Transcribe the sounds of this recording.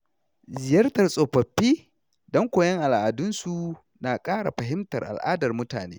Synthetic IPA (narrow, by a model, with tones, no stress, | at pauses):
zɪ˨jɐ˦rtɐ˨rsʼoː˨ɸɐ˨ɸːiː˦ | dɔ˦ŋkʷoː˨jɐ˦ŋʔa˨lʔaː˨dʊ˦nsu˨ | naː˨kʼaː˦ɽa̰˨ɸɐ˨ɦɪ˦mtɐ̰˨rʔa̰˨lʔa̰ː˦dɐ˨rmʊ˦ta̰ː˨nḛː˦